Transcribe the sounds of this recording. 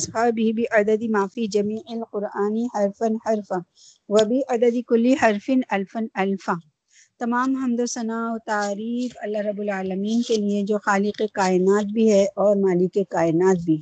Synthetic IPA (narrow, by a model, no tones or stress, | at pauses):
sxaːbʱibʱiʔɐd̪əd̪imaːfid͡ʒɐmiːʕɪlqʊɾaːnihɐɾfɐnhɐɾfã | ʋɐbʱiʔɐd̪əd̪ikʊlːihɐɾfɪnɐlfɐnɐlfã | t̪ɐmaːmɦɐmd̪osɐnaːɔt̪aːɾiːfɐlːaɦɾɐbːʊlaːlɐmiːnkelied͡ʒoːxaːlɪqekaːɪnaːt̪̚bʱiɦɛʔɔːɾmaːlɪkːekaːɪnaːt̪̚bʱiɦ